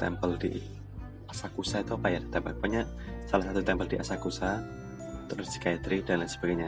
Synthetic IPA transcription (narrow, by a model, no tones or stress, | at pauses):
t̪ɛ̰mpəldḭ | asakusait̪apajat̪t̪ɛmpakpaɲa | salahsat̪ut̪ɛmpəldiʔasakusa | t̪əɾʊsdi̥kait̪ɾidanlansə̥b̥aɡajɲa